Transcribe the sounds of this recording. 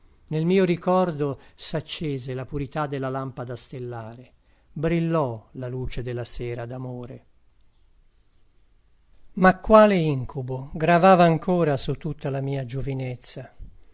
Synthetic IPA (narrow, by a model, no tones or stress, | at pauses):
nelmiːoɾikɔrd̪osat͡ʃːeːzelapuɾit̪ad̪ːelːalampad̪ast̪elːaːɾe | bɾilːɔlaluːt͡ʃed̪elːasɛːɾad̪amoːɾe | makːwaːleiŋkʰuboɡɾavaːvaːŋkʰoːɾasut̪ːut̪ːalamiːad͡ʒovinet̪sːa